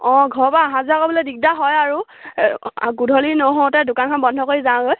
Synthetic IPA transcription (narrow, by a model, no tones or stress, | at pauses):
ɔ̃ɡʱɔɹbaɦãzakobɔlojdik̚daɦɔjaɹu | ɡudʱɔlinoɦɔ̃tɛdʊkankʰɔnbɔndʱɔkoɹizãɡoj